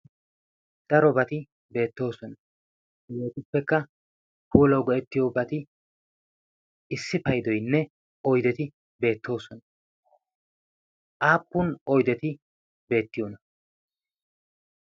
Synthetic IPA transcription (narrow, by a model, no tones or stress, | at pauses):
d̪̥ɐɾɔbɐt̪ɪ | be̞ːt̪ːo̞ːsɔnɐ | joːt̪ɪpːɛkːɐ | puːlɐwɡɔʔɛt̪ːɪjobɐt̪ɪ | ɪsːɪpɐjd̪ɔjnːɛ | ɔjd̪ɛt̪ɪ | be̞ːt̪ːo̞ːsɔnɐ | ʔaːpːʊnɔjd̪ɛt̪ɪ | be̞ːt̪ːɪjɔnɐ